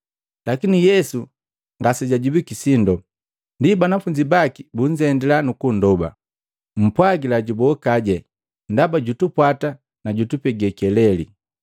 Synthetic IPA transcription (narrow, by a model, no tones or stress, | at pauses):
lakinijɛsu | ŋɡasɛɟaɟubikisindɔ | ndibanafuɲd͡ʒibakibuɲd͡ʒɛndɛlanukun̩dɔba̰ | m̩pwaɡilaɟubɔkaɟɛ | ndabaɟutupwata | naɟutupɛɡɛkɛlɛlḭ